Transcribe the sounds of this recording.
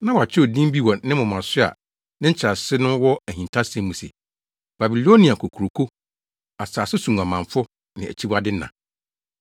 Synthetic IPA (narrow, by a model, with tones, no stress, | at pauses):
nã˦wɔ˨a˨t͡ɕʰɪ˦ɔ˨dĩ˦m˦bi˦wɔ̃˨nɪ̃˦mʊ̃˨mã˨sɪ˦a̰˨ | nɪ̃˦ɲ̩˦t͡ɕʰɪ˨ɾa˨sɪ˦nʊ̃˦wɔ˦æ˨hĩ˨ntʰa˦sɛ̃˦mũ˨sḛ˨ | b̥a˨bi˨lo˦nĩ˨a˨kʰo˨kʰu˨ɾo˨kʰo˦ | a˨saː˨sɪ˦sũ˨ŋ˨a˨mã˨ɱfʊ˦ | nɪ̃˨æ̰˨t͡ɕʰi˦ba˦dɪ˦nːã˨